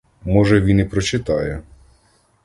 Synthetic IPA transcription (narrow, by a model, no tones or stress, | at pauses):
mɔʒɛʋʲinipɾɔt͡ʃɪt̪ɑjɛ